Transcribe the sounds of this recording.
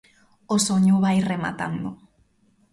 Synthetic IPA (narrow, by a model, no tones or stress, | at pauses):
osoɲuβajrema̰t̪a̰nd̪o